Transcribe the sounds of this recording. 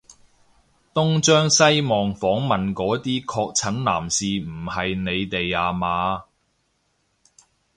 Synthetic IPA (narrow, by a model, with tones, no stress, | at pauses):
t̪ʊ˥ŋt͡ʃœː˥ŋsɐ˥jmɔː˨ŋfɔː˨˥ŋmɐ˨nkɔː˨˥t̪iː˥kʰɔː˧k̚t͡sʰɐ˨˥nna̰ː˨˩msiː˨m̩˨˩hɐ˨jne˨˧jt̪e˨jaː˨˧maː˨˧